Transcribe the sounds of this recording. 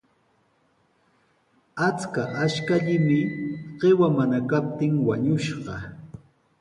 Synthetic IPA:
at͡skaʔaʃkaʎɪmɪɢ̥ewamanakap̚t̪ɪŋwaɲʊʃɢɑ

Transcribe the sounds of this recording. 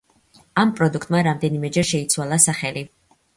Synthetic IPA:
ampʼɾɔd̪ukʰt̪ʼmaɾamd̪ɛnimɛd͡ʒɛɾʃɛit̪sʰwalˠasaχɛli

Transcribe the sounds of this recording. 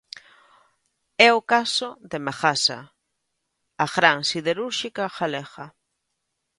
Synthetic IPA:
ɛokasoðemaxasa̰ | aɣɾaŋsiðeɾuɾʃikaxalexa

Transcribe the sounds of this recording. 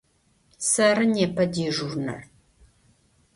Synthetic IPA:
sɐrɨnjɛpʰɐdiːʒurnɐ̰r

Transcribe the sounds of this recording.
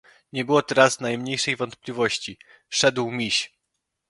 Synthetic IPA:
ɲɛbɘwɔt̪ɛɾaznajmɲejʂɛjvɔnt̪̚plʲivɔɕt͡ɕi | ʂɛd̪wmʲiɕ

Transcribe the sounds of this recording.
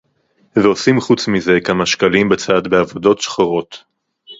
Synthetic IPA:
veo̞simχut͡smize̞kamaʃkalimbet͡satbeavo̞do̞tʃχaʁo̞t

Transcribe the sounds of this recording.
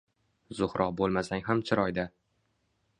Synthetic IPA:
zʊhɾʔɒqbolˠmasaŋʲɦamt͡ʃʰɪɾɒjd̪a

